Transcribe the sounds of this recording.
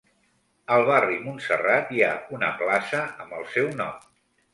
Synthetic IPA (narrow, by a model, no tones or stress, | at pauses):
əlˠβarimunsərat̪iaunə̰plasəəmbəlˠsɛwnɔm